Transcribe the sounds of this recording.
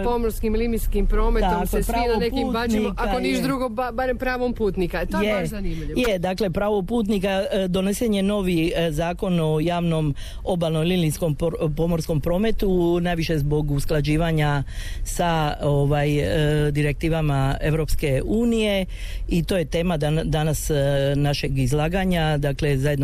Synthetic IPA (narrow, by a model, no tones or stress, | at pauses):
pomoɾskimlimiskimpɾoːmet̪akslspɾanonekpimtanikaaoiʃd̪ɾuɡobabaɾempɾaːʋompuːt̪nikat̪jeznimijed̪akle̞pɾaːʋo̞puːt̪nikad̪o̞neseɲe̞no̞ːʋizaːko̞no̞jaːʋno̞m | o̞balnomililinsko̞mpo̞mo̞ɾsko̞mpɾo̞ːme̞t̪unajʋiʃe̞zbo̞ɡusklˠad͡ʒiːʋaɲasaoʋajd̪iɾe̞k̚t̪iːʋamae̞ʋɾo̞pske̞uːnije̞ | it̪o̞ːje̞t̪e̞ːmad̪d̪anasnaʃe̞ɡizlˠaːɡaɲad̪akle̞zajed̪no